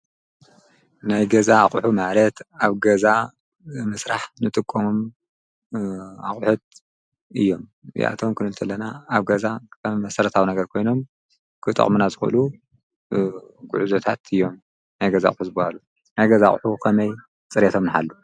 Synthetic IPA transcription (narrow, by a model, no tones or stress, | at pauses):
najɡɐzaːχʼħumalɐt̪aβɡɐza | mɨsɾaħnɨt̪ʼɨkʼːomom | a̰χʼħut̪̚ | ɨjːo̞mjʔa̰t̪ʰo̞mkʰɨnɨnt̪ʰɐlːɐnaːβɡɐzaɐmmɐsɐɾɐt̪ʰawnɐɡɐɾkʰo̞jno̞m | kʰɨt̪ʼɐ̰χʼmunazɨxuʔɨ̰lu | ɡṵʕuzot̪ʰat̪ʰɨjːo̞m | najɡɐza̰χʼħuzɨbahalu | najɡɐzaχʼħukʰɐmɐj | t͡sʼɨɾet̪ʰo̞mnɨħa̰lːo